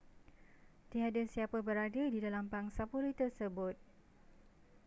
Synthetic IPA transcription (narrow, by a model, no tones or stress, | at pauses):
t̪iɦadəsiapabəɾadədidalambaŋsapuɾit̪ərsəbʊt̪̚